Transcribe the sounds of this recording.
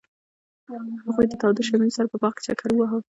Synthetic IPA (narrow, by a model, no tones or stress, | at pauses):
haɣujd̪ət̪ɑwd̪əʃaminsaɾapəbɑχkɪ̥t͡ʃa̰kʰaɾəwaɦəl